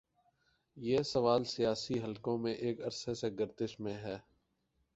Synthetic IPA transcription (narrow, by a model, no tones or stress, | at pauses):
jeːsɐʋaːlsijaːsiɦɐlkõmẽʔeːkɐɾseseɡəɾt̪ɪʃmẽɦɛː